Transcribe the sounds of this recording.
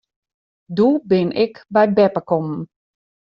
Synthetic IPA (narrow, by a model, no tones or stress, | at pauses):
dubɪnʔɪkbɛjbɛpəkɔmn̩